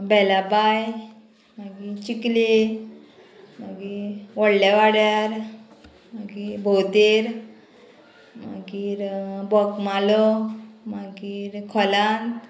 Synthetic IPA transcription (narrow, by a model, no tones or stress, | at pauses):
bɛlabaj | maɡit͡ɕikli | maɡiʋɔɽlaʋaɽjaɾ | maɡibʱowt̪eɾ | ma̰ɡiɾbɔkmalɔmaɡiɾkʰɔlãnt̪